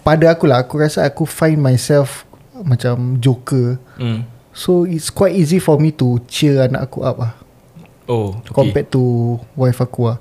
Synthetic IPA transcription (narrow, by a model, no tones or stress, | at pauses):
padaakulaɦakuɹasaakufãj̃nmajsɛlf | mat͡ʃamd͡ʒokə | soitskwajtizifɔmit̪ut͡ʃɛana̰ʔakṵʔa̰p̚lah | okɔmpɛt̚tːuwajfakua